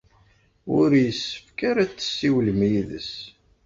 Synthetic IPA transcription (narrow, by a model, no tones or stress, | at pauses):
ʊɾjəsːə̥fkaɾat͡sːə̥sːiwlmjiðə̰s